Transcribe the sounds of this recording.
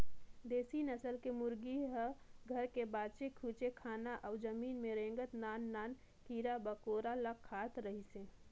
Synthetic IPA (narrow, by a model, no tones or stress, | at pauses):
d̪eːsinəsəlkemʊɾɡiɦəɡʱəɾkebaːt͡ʃekʰuːt͡ʃekʰaːnaʔəʊd͡ʒəmiːnmẽɾẽːŋɡət̪naːnːaːn | kiɾabəkoːɾaləkʰːaːt̪ɾəɦisẽː